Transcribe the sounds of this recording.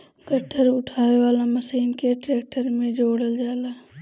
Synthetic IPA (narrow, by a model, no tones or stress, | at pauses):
ɡʱəʈʰːəɾʊʈʰaːʋeʋaːlamɐsiːmkeʈɾeːk̚ʈəɾmẽd͡ʒoːɽəld͡ʒaːlaː